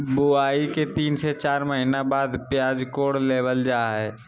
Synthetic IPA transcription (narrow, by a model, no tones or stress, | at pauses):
bʊaːiket̪iːnset͡ʃaːɾməɦinabaːd̪pɪjaːd͡ʒkoːɽleːʋəld͡ʒaːɦɛː